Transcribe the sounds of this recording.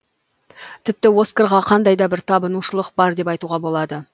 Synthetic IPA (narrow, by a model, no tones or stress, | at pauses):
t̪ʰɪp̚t̪ɪwo̞skeɾʁɑqʰɑnd̪ɑjd̪ɑbɪɾt̪ʰɑbənuʃəlˠəq̚bɑɾd̪e̞pɑjt̪uʁɑbo̞lˠɑd̪ə